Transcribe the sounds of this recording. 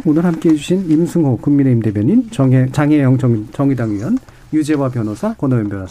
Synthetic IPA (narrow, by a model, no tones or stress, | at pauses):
onɯɾhamk͈eːd͡ʑuɕʰinimsʰɯŋɦokuŋmine̞imde̞bjʌɲinʌt͡ɕaŋɦejʌŋt͡ɕʰʌŋt͡ɕʌŋidaŋɥiwʌn | jud͡ʑe̞wapjʌnosʰakʌnʌimbjʌnas